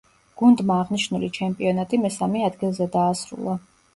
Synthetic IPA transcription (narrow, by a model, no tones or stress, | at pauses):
ɡ̥und̪maːʁniʃnulit͡ʃʰɛmpʼiɔnat̪ʼimɛsamɛad̪ɡilˠzɛd̪aːsɾṵlˠa